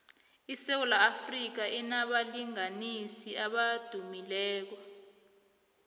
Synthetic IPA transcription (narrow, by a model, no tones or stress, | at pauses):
isewulaːfrik̬aʔinaɓaliŋanisiaɓad̥ʱumilɛːk̬ɔ